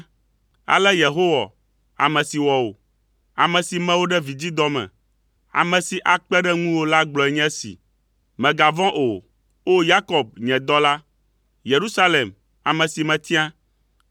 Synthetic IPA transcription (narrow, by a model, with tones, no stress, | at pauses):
a̰˨lɛ˦je˨ɦo˦wa˨ | a˨mɛ̃˨si˨wɔ˨o˨ | a˨mɛ̃˨si˨mɛ̃˦wo˦ɖɛ˦vi˨d͡ʑi˦d̪ɔ˦mɛ̰̃˨ | a̰˨mɛ̃˨si˨ʔa˨k͡pɛ˦ɖɛ˦ŋũ˦wo˦la˦ɡ͡blɔ˨ɛ˨ɲɛ̃˦sḭ˨ | mɛ̃˨ɡa˨vɔ̃˦ʔo˨ | o˦ja˦kɔ˨b̚ɲɛ̃˨d̪ɔ˦la˦ | je˨ɾu˦sa˦le˨m | a˨mɛ̃˨si˨mɛ̃˨t̪i˦ã˦